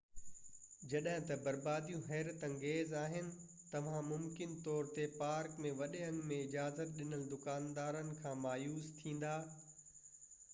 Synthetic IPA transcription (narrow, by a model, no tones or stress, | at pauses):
d͡ʑɐɗɦɪ̃t̪ɐbɐɾbaːd̪ijũɦɛːɾət̪ɐ̃ŋɡeːzaːɦɪnɪ̆ | t̪ɐʋ̤ãmʊmkɪnt̪ɔːɾt̪epaːɾkmẽʋɐɗeɐ̃ŋɡmẽɪd͡ʑaːzət̪̚ɗɪnəld̪ʊkaːnd̪aːɾənɪ̆kʰãːmaːjuːst̪ʰĩːn̆d̪aː